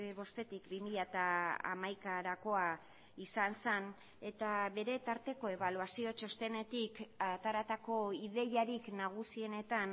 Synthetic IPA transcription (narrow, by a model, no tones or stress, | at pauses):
βo̞st̪e̞t̪ikbimiʎat̪aa̰majkaɾako̞a | isansen | e̞t̪aβe̞ɾe̞t̪aɾt̪e̞ko̞e̞β̞aluasiot͡ʃo̞st̪e̞ne̞t̪ikat̪aɾat̪ako̞iðe̞jaɾiknaɣ̞usie̞ne̞t̪an